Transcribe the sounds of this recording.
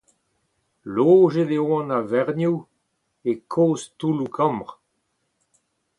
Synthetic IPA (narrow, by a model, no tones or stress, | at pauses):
loːʒed̪eoɑ̃navɛʁnuw | ekʰoːstulukʰɑ̃mʁ